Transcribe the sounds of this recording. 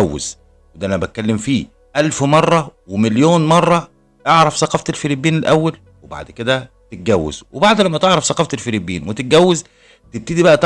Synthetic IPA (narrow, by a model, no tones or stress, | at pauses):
æwːḛz̥ | wed̪æʔænæbæt̪̚kælːemfiː | ʔælfmɑrˤːɑwemeljoːnmɑrˤːɑ | eʕɾˤɑfsɑqɑft̪elfeɾibːiːnelʔæwːæl | weba̰ʕd̪ked̪æ | t̪et̪̚ɡæwːḛzwebaʕd̪læmːæt̪eʕɾˤɑfsˤɑqɑːft̪elfeɾibḭːnwet̪et̪̚ɡæwːez | t̪eb̚t̪iːd̪ibæʔæt̪